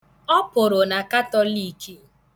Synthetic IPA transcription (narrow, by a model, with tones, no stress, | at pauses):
ɔ˦pʊ˨ɾʊ˨na˨ka˦tɔ˦li˦˨ki˨